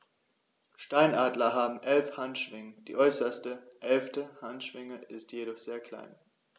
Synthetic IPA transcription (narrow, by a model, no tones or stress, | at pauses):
ʃtaɪnʔaːdlɐɦaːbm̩ʔɛlfhantʃv̥ɪŋəd̥ḭːʔɔʏsɐstəʔɛlftəhantʃv̥ɪŋəʔɪstjeɾɔχz̥eːɐkʰl̥a̰ɪn